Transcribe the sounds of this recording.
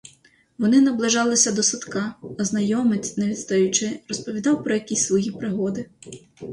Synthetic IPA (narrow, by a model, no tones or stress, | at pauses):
ʋɔnɪnɐblˠɪʒɑlˠɪsʲɐd̪ɔsɐt̪kɑːznɐjɔmɪt͡sʲneʋʲid̪st̪ɐjʊt͡ʃɪrɔspɔʋʲid̪ɑwpɾɔjɐkʲisʲsʋɔjipɾɪɦɔd̪ɪ